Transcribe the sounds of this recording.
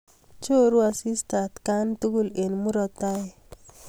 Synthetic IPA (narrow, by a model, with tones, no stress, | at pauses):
t͡ʃo˦ɾu˦a˨si˦sta˨t̪ka˦nt̪u˦ɡu˦le˨nmu˦ɾɔ˦t̪a˦e˨